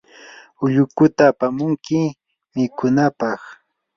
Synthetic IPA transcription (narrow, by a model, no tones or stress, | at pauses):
ʊʎʊkʊt̪aːpamʊŋkɪ | mɪkʊnapɑχ